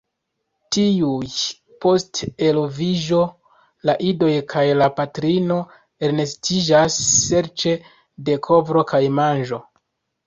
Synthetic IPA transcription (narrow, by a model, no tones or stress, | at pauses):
tiuj | po̞ste̞loviʒo̞ | laʔido̞jkʰajlapatɾino̞ | eɾne̞stʰid͡ʒasːe̞ɾt͡ʃe̞ | de̞kʰo̞vɾo̞kajmanʒo̞